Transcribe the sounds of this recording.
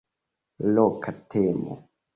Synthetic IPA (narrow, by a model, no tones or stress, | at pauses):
lokʰatʰemo̰